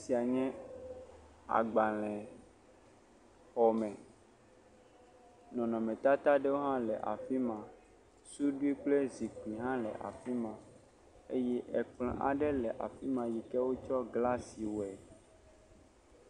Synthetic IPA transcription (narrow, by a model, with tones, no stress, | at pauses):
si˨a˨ɲɛ̃˦ | a̰˨ɡ͡ba˨l̃ɛ̃˨ | xɔ˨mɛ̃˨ | nɔ̃˨nɔ̃˨mɛ̃˨t̪a˦t̪a˦ɖe˦wo˦ɦã˦lɛ˨ʔa̰˨fi˦mã˨ | su˦ɖu˦i˦k͡ple˦zi˨k͡pli˨ɦã˦lɛ̰˨ʔa̰˨fi˦mã˨ | e˦jɛ˦ʔɛ˨k͡plɔ̰̃˨ʔa˨ɖɛ˦lɛ˨ʔa̰˨fi˦mã˨ji˨kɛ˦wo˦t͡ʃɔ˦ɡla˦si˨wo˨ɛ˨